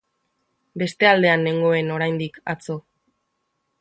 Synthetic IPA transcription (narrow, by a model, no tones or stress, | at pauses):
be̞st̪e̞ald̪e̞ane̞ŋɡo̞e̞no̞ɾajnd̪ika̰t͡so̞